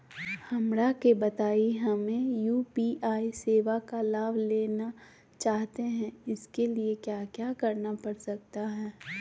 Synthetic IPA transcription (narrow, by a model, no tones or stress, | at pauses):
hɐmɾakebɐt̪aːiɦɐmẽjuːpiʔaːiseːʋakalaːʋleːna | t͡ʃaːɦt̪eɦɛ̃ɪskeliekjaːkjaːkɐɾnapɐɾsɐk̚t̪aɦɛː